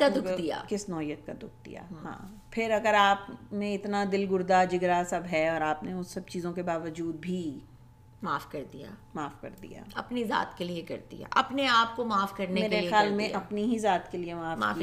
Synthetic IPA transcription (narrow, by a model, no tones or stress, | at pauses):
ad̪ʊkd̪ija̰ːkɪsnɔːijət̪̚kad̪ʊk̚ʰd̪ḭja̰ːɦã̰ː | pʰɪɾɐɡəɾaːpmẽɪt̪nad̪ɪlɡʊɾd̪ad͡ʒɪɡɾasɐbɦɛɔːɾaːpneʊssɐbt͡ʃiːzõkebaːʋəd͡ʒuːd̪̚bʱi | maːfkɐɾd̪ija̰ːmaːfkɐ̰ɾd̪ḭja̰ːɐpniza̰ːt̪keliekɐ̰ɾd̪ḭja̰ʔɐpneaːp̚komaːfkɐɾnemeːɾexjaːlmẽʔɐpniɦizaːt̪keliemaːfa̰ː